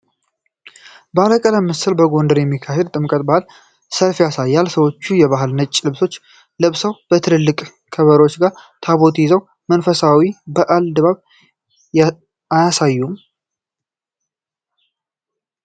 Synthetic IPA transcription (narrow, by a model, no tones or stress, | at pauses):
bəaləkʼələmːɨsɨlbəɡo̞nd̪əɾjɛmːikʰaɦed̪t̪ʼɨmkʼət̪̚ʼbahɨl | səlfijasajːalsəwo̞t͡ʃːujɛβaɦɨlnət͡ʃʼːlɨβso̞t͡ʃː | lɨβsəwb̥ət̪ʰɨɾɨlːɨkʼ | kʰəβəɾwo̞t͡ʃːɡaɾt̪ʰaβo̞t̪zəw | mənfəsawibəʔald̪ɨβaβ | ajasajːum